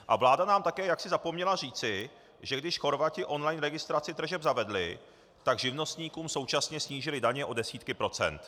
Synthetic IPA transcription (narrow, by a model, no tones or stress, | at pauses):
ʔavlaːdanaːmt̪akɛːjaksɪzapo̞mɲɛlar̝iːt͡sɪ | ʒɛɡdɪʃxo̞ɾvacɪʔo̞nlajnɾɛɡɪst̪ɾat͡sɪt̪r̩ʒɛbzavɛdlɪ̰ | t̪aɡʒɪvno̞st̪ɲiːkuːmso̞wt͡ʃasɲɛsɲiːʒɪlɪdaɲɛʔo̞dɛsiːt̪kɪpɾo̞t͡sɛ̰nt̪